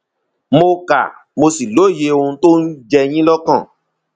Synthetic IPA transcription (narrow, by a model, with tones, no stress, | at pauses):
mo˧ka̰˨ | mo˧si˨lo˨˦˨je˨˧o˧ũ˧to˦n̩˦d͡ʒɛ˦j̃ĩ˦lɔ˦kã˦˨